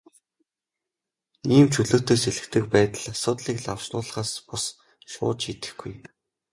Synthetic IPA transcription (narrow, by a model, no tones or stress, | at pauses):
iːmt͡ɕʰuɮɵ̆kʰt̪ʰeːseɮɘ̆kt̪ɘ̆k̚pæːt̪ə̆ɮasʊːt̪ɮiːkɮaw̥ʃnʊːɮə̆χaːspʊs | ʃʊ̰ːt͡ɕit̪ɘ̆xɡuj